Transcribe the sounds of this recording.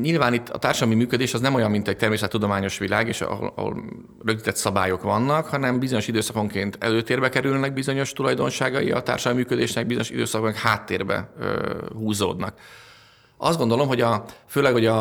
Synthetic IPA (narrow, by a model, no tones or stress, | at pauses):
ɲilvaːnit̪ːɒ̰t̪aːrʃɒd̪lɒmimyːkød̪eːʃɒznɛmo̞jɒmːint̪ɛc̚t̪ɛrmeːs̬ɛt̪ːud̪o̞maːɲo̞ʃʋilaːɡeːʃo̰ɒ̰o̰l | røɡzit̪ɛt̪sɒbaːjo̞kʋɒnːɒkhɒnɛmbizo̞ɲo̞ʃid̪øːsɒko̞ŋkeːnt̪ɛ̰løːt̪eːrbɛkɛɾylnɛɡ̚bizo̞ɲo̞ʃt̪ulɒjd̪o̞nʃaːɡɒjḭɒ̰t̪a̰ːrʃɒlɒmimyːkød̪eːʃnɛɡ̚bizo̞ɲoʃḭd̪øːsɒkoknɛkhaːt̪ːḛːrbɛ̰ | huːzo̰ːd̪nɒk | ɒ̰zd̪ɡo̞nd̪olo̞mɦo̞ɟɒføːlɛkhoɟɒ